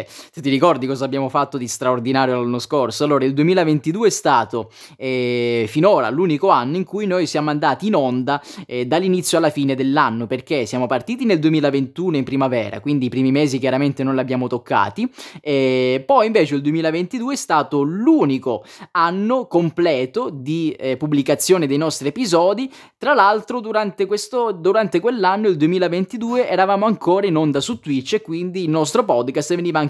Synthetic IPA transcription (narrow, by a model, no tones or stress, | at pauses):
set̪ːiɾikɔrd̪ikɔːzabjaːmofat̪ːod̪ist̪ɾaord̪inaːɾjolanːoskorsoalːoːɾaild̪uemiːlavent̪id̪uːeɛst̪aːt̪o | ɛfinoːɾa̰luːnikoanːoiŋkujnojsjaːmoand̪aːt̪iːnond̪aɛd̪alːinit̪sːjoalːafiːned̪elːanːoperkesjaːmopart̪iːt̪ineld̪uemiːlavent̪uːnoimpɾimavɛːɾa̰kwind̪iːpɾiːmimeːzik̬jaɾament̪enonlabːjaːmot̪okːa̰ːt̪iɛpɔjiɱvɛːt͡ʃeild̪uemiːlavent̪id̪uːeɛst̪aːt̪oluːnikoanːokomplɛːt̪od̪ipubːlikat̪sːjoːned̪ejnɔst̪ɾiepizɔːd̪i | t̪ɾalalt̪ɾod̪uɾant̪ekwest̪od̪uɾant̪ekwelːanːoild̪uemiːlavent̪id̪uːeʔɛɾavaːmoaŋkoːɾainond̪asut̪ːwit͡ʃːekːwind̪iːlnɔst̪ɾopɔd̪kast̪veniːvaaŋ